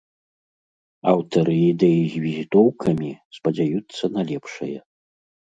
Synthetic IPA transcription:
ɐwt̪ɐɾɨːd̪ɛjizʲvʲizʲit̪ɔwkʰɐmʲispɐd͡zʲajut̪sːɐnalʲɛpʂɐ̰jɐ

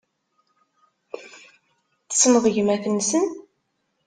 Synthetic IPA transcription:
θə̥sməðˤəʝmæθənsən

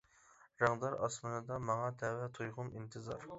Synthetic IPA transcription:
ɾɑŋd̪ɑɾɑsmɨnɨd̪ɑmɑŋɑt̪ʰɛwɛt̪ʰujʁʊmint̪ʰɨzɑ̰ɾ

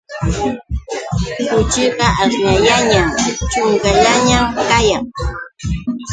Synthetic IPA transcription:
kʊt͡ʃɪɢɑʔasɲajaɲamt͡ʃʊŋkaʎaɲamkajaŋ

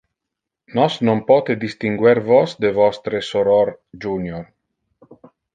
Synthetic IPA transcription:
nɔsnompɔːt̪ed̪ist̪iŋɡwɛɾvɔsd̪evɔst̪ɾesoɾɔɾd͡ʒunjor

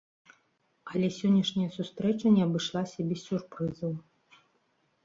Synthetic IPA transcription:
ɐlʲɛsʲɔnʲːɐʂnʲɐjɐsust̪ɾɛt͡ʂɐnʲɛɐbɨʂlˠasʲɐbʲɛsʲsʲurpɾɨzɐw

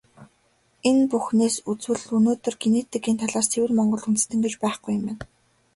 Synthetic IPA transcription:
enpuxneːsut͡swɘ̆ɮɵnoːt̪ɵ̆rɡeneːt̪ɘ̆kiːnt̪ʰaɮaːrt͡sʰewɘ̆rmɔɴɢɞ̆ɮunt̪̆st̪ɘ̆ŋɡet͡ɕpæːχɡujʊ̆mæn

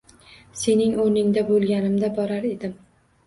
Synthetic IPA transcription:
se̞nɪŋoɾnɪŋd̪abolˠɡʲanɪmd̪abɒɾaɾe̞d̪ɪm

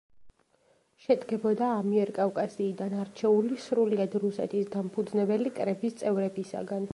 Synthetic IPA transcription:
ʃɛd̪ɡɛbɔd̪aːmiɛɾkʼafkʼasiːd̪anaɾt͡ʃʰɛulisɾuliad̪ɾusɛ̰t̪ʰisd̪ampʰud̪znɛbɛlikʼɾɛbist̪sʼɛvɾɛbisa̰ɡan

